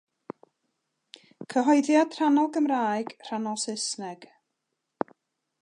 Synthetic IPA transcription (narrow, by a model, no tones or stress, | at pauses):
kʰəɦɔɨðjad̥r̥anɔlˠɡəmraːjɡ̥r̥anɔlˠsɪsnɛɡ̥